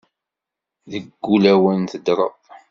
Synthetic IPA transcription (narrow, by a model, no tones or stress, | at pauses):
ðəɡːulæwənθəd̪ɾˤə̰ðˤ